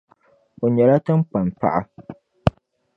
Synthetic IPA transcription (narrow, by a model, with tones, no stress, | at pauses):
o˨ɲɛ˨la˦ta˦mk͡pa˨npa̰˦ʔa̰˦